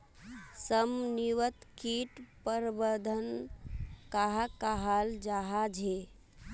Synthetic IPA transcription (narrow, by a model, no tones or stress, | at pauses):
səmniʋət̪kiʈpəɾbəd̪ʱən | kaɦakaɦald͡ʒaɦad͡ʒʱe